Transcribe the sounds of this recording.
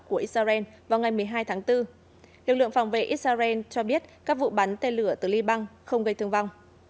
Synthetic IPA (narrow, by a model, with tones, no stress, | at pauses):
ku˧˩əʔi˦˥t̚saː˧zɛ˧nvaː˨˩wŋa˨˩jmɨ˨˩əjɦaː˧jt̪ʰaː˨˦ŋt̪ɨ˧ | lɨ˨˩k̚lɨ̰˧˨əŋfa˧˩wŋ͡mvḛ˧˩ʔi˦˥t̚saː˧zɛ˧nt͡ɕɔ˧ɓi˦˥ət̚kaː˦˥k̚vṵ˧˨ɓa˨˦nt̪e˧nlɨ˧˩ət̪ɨ˨˩li˧ɓa˧ŋxə˧wŋ͡mɣə˧jt̪ʰɨ˧əŋva˧wŋ͡m